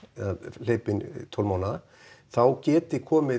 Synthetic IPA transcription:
al̥eːjpɪnt̪ʰɔwlmaːwna | θawcɛːt̪ɪkʰɔːmɪ

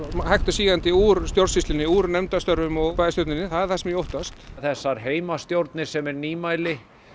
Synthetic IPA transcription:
mahajht̪ʏsiːɣant̪ɪuːɾst̪joɾsist̪ɪnːɪuːɾnɛmt̪ast̪œɾvʏmɔɣpajðɪst̪joɾt̪nɪnːɪθaðɛɾ̥θɛsːamjowht̪ast̪θɛsːaɾɦeːjmast̪jowɾt̪nɪ̥sɛmɛɾniːmaːjlɪ

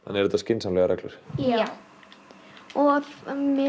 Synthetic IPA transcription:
hanːɛɾɛt̪ascɪnsamlɛɣaɾɛklʏɾ̥ | ɔmɪ

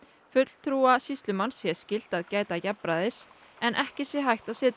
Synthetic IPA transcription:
fʏt̪l̥t̪ʰɾuːasist̪lʏmansjɛ̥scɪl̥t̪aðcaːjt̪acɛpɾaðɪs | ɛnʔɛhcɪsjɛɦajht̪asɪːt̪ɪ

